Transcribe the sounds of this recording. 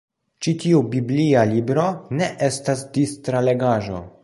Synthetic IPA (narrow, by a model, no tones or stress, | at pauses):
t͡ʃitiubiblialibɾo̞ne̞ʔe̞stasdistɾale̞ɡaʒo̞̰